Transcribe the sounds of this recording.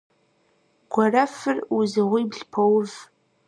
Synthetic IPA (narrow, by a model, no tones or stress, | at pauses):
ɡ̥ʷɔrɐfɨruzɨʁʷiːbɮpʰowv